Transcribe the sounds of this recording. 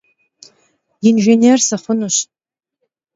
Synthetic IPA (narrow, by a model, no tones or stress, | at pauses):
inʒenʲersaχʷʊnuɕʼ